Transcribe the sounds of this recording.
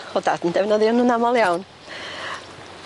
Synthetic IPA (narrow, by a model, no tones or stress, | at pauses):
ɔda̰dəndɛvnɔðjɔnunamɔlˠjawn